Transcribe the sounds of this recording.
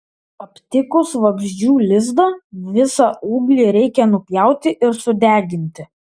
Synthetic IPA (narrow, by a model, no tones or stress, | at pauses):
ɐpʲt̪ʲɪkʊsʋɐɡʒʲd͡ʒʲuːlʲɪzd̪ɐʋʲɪsɑʔuːɡlʲiːɾʲɛɪkʲɛnʊpʲjæˑʊt̪ʲɪʔɪɾsʊd̪ʲæːɡʲɪnʲt̪ʲɪ